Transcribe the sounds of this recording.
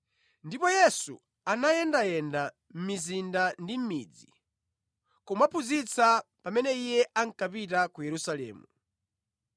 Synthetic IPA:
ndipɔjɛsṵ | anajɛndajɛnda | m̩mizindandim̩mid͡zi | kɔmwapʰuzit͡sʰapamɛnɛijɛʔaŋ̩kapitakujɛɾusalɛ̰ːmu

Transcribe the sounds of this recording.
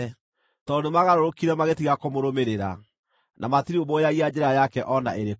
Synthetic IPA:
tɔdemaɣaɾoɾokiɾɛmaɣetiɣakomoɾomeɾeɾa̰ | nʔamatiɾiomojaɣiad͡ʒɛɾajakɛʔɔna̰ʔeɾe

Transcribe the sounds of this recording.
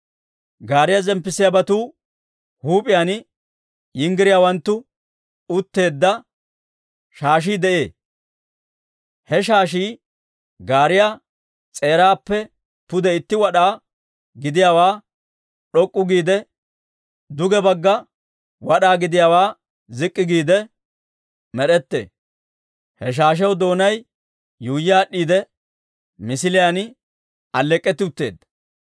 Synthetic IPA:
ɡaːɾɪjazɛmpːɪsɪjabɐt̪uː | huːpʼɪjan | jɪŋɡɪɾɪjawɐnt̪ːʊ | ʊt̪ːe̞ːd̪ːɐ | ʃaːʃ̬iːd̪ɛʔe̞̰ː | hɛʃ̬aːʃiː | ɡaːɾɪja | t͡sʼe̞ːɾaːpːɛ | pʊd̪ɛɪt̪ːɪwɐɗaː | ɡɪd̪ɪjaːwaː | ɗɔkʼːʊɡiːd̪ɛ | d̪ʊɡɛbɐɡːɐ | wɐɗaːɡɪd̪ɪjaːwaː | zɪkʼːɪɡiːd̪ɛ | mɛɗɛt̪ːḛː | hɛʃ̬aːʃ̬ɛwd̪o̞ːnɐj | juːjːaːɗːiːd̪ɛ | mɪsɪlɪjan | ɐlːɛkʼːɛt̪ːɪʊt̪ːe̞ːd̪ːɐ̥

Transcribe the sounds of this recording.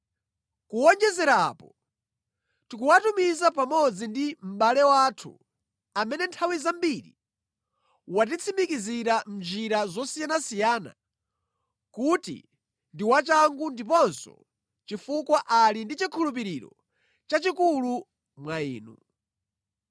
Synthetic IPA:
kuɔɲd͡ʒɛzɛɾapɔ | tikuwatumizapamɔd͡zindim̩ɓalɛwaːtʰṵ | amɛnɛntʰawizambiɾḭ | watit͡sʰimbikiziɾam̩d͡ʒiɾazɔsijanasijaːna̰ | kutḭ | ndiwat͡ʃaŋɡundip̬ɔnsɔ̰ | t͡ʃifukwaʔalindit͡ʃikʰulup̬iɾiɾɔ̰ | t͡ʃat͡ʃikulu | mwaḭːnṵ

